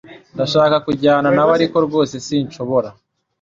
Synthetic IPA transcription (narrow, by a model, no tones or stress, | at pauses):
ndaʃaːkakuɟaːnanaβaɾiko̞ɾɡo̞ːse̞siːnt͡ʃo̞βo̞ɾa